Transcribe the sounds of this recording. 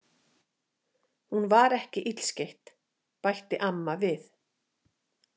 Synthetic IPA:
hunvaɾɛhcɪʔit̪l̥scejht̪ | pajht̪ɪʔamːavɪθ

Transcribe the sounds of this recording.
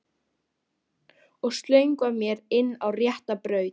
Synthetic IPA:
ɔɣst̪lœɥŋkvamjɛɾɪnːawrjɛht̪apɾœːɥt̪

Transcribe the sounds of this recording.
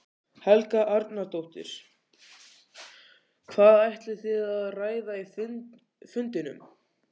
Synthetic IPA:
hɛlkaʔaɾt̪naɾt̪owht̪ɪ̰ɾ̥ | kʰvaːðajht̪lɪ̥θɪðaðraːjðai | fʏnt̪ɪnʏ̰m

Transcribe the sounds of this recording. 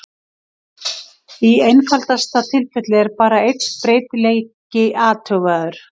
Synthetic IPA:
iejnfal̥t̪ast̪at̪ʰɪlfɛt̪lɪɛɾpaːɾaejt̪spɾeːjt̪lejcɪʔaːt̪ʰœɣaðʏɾ̥

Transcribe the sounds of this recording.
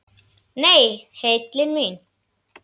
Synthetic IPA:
nejhetlinmin

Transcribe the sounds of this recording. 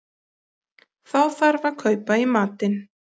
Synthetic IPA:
θawθaɾvaɾ̥kʰœɥpaimaːt̪ɪn

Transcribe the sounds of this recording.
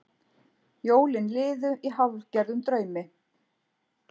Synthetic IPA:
joːwlɪnlɪːðʏʔiɦawv̥cɛɾðʏmt̪ɾœːɥmɪ

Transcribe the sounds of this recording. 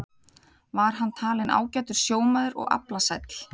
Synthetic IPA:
vaɾ̥ɦanːt̪ʰaːlɪna̰ːwcajt̪ʏɾ̥sjoːwmaðʏɾɔ̰ɣa̰plasajt̪l̥

